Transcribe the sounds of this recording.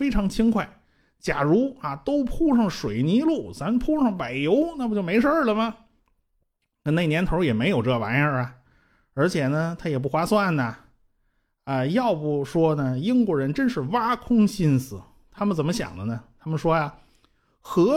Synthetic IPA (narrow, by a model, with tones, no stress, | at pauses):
fe˥ɪʈ͡ʂʰɑ˧˥ŋt͡ɕʰi˥ŋkʰwa˥˩ɪ | t͡ɕja˨˩ɻu˧˥a˧˩t̪o˥ʊpʰu˥ʂɑ˥˩ŋʂwe˨˩ɪni˧˥lu˥˩sa˧˥npʰu˥ʂɑ˥˩ŋpa˨˩ɪjo˧˥ʊna˥˩˧t͡ɕjo˥˩ʊme˧˥ɪʂə˞˥˩lə˨mɐ˩ | kə˥˩ne˥˩njɛ˧˥nt̪ʰo˧˥ʊjɛ˨˩me˧˥ɪjo˨˩ʊʈ͡ʂɤ˥˩ʋa̰˧˥nə˞˧ɐ˩ | ə˞˧˥t͡ɕʰjɛ˨˩nə˦t̪ʰa˥jɛ˨˩p̬u˥˩xwa˥swa˥˩nɐ˨˩ | ə˧jɑ˥˧ʊpu˨˩ʂwɔ˥nə˨ji˥ŋkwɔ˥˩ɻə˧˥nʈ͡ʂə˥nʂɻ̩˥˩wa˥kʰʊ˥ŋɕi˥˧nsɹ̩˨˩ | t̪ʰa˥mə˨nt͡sə˨˩mə˦ɕjɑ̰˨˩ŋd̪ə˦nə˧t̪ʰa˥mə˨nʂwɔ˥ja˨ | xɤ˧˥